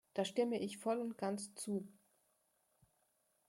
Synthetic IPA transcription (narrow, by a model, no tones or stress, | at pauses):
d̥aːʃtɪməʔɪçfɔlʊnt̚ɡ̥ant͡st͡suː